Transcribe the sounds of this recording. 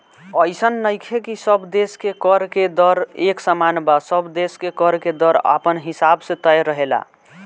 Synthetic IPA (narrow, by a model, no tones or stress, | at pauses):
əjsənːəjkʰekisəbd̪eskekəɾked̪əɾeksəmanbasəbd̪eskekəɾked̪əɾa̰pənɦisabsẽt̪əjɾəɦela̰